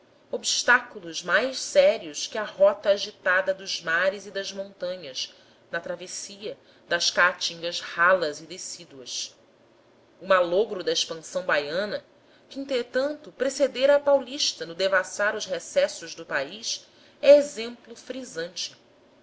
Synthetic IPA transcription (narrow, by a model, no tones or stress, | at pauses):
obiʃt̪akulʊzmajʃsɛɾiʊskɪɐɦɔt̪ɐːʒit̪ad̪ɐd̪ʊzmaɾɪzid̪ɐzmõnt̪ɐ̃ɲɐs | nɐt̪ɾavesiɐ | d̪ɐʃkat͡ʃĩŋɡɐzhalɐzɪd̪esid̪uɐs | ʊmaloɡɾʊd̪ɐiʃpɐ̃sɐ̃w̃bajɐ̃nɐ | kɪĩnt̪ɾet̪ɐ̃nt̪ʊpɾesed̪eɾɐːpawliʃt̪ɐnʊd̪evasaɾʊzhesɛsʊʒd̪ʊpaiʃ | ɛezẽmplʊfɾizɐ̃nt͡ʃɪ̥